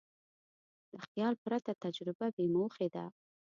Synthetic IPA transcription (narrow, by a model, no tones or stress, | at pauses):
d̪̥əxjɑlpɾat̪at̪ad͡ʒɾɪbabemoxed̪a